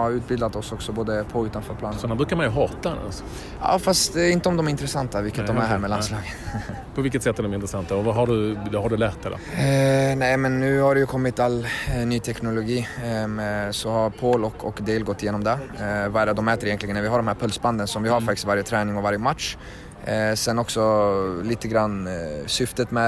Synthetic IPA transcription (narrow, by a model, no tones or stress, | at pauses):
aɾʉ̟ːt̪̚bɪld̪at̪ɔsɔksɔboːd̪əpʰɔʉ̟ːt̪anfœːɾpʰlɑːnmɛnd̪ɔkʰanmanjɵɦɑːt̪aɛna̰s | ɑ̰ːfast̪ɪnt̪əɔmd̪ɔmæɾɪnt̪ɾɛsant̪avɪlkːət̪d̪ɔmæɾɦæːɾmɛlanslɑːɡə | pʰɔvɪlkːət̪sɛt̪ːæɖɔmɛɾɪnt̪ɾɛsant̪aɔvaɦaɖɵvhaɖɵlɛt̪ːaɾɛ̰ | nɛɪmɛnːʉ̟ːhaɖɛjɵkʰɔmːɪt̪alːnyːt̪ʰɛknʊlʊɡiːmɛsɔhaɾpʰoːlɔkʰɔ̰kd̪eːlɡɔt̪ːɪjeːnɔmd̪ɛvaɛd̪ɔmɛːt̪əɾɪjɛnlɪɡənæɾvɪɦaɖɔmhæːɾpʰœlsband̪ənsɔmvɪhaɾfak̚t̪ɪ̥st̪vaɾjət̪ʰɾɛːnɪŋɔvaɾjəmat̪ʂ | sɛnːɔksɔliːt̪əɡɾanːsʏft̪ət̪mɛ